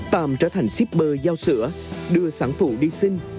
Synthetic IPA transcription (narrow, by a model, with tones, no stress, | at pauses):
t̪aː˨˩mt͡ɕə̰ː˧˩t̪ʰa˨˩jŋ̟si˦˥p̚ɓəː˧˩zaː˧wsɨ̰˧˥əɗɨ˧əsaː˧˩ŋfu˧˩ɗi˧sï˧ŋ̟